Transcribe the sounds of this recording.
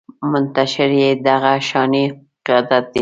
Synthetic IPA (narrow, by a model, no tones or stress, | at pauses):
mʊnt̪aʃɪɾjed̪aɣaʃɑni | qɪjɑd̪at̪̚d̪i